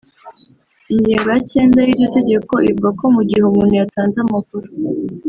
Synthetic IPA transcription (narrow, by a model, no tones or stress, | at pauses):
iɲɟeːŋɡojace̞ːndajiːote̞ɟe̞ko̞ʔḭuɡakomuɟihomuːnujataːnzamakuɾo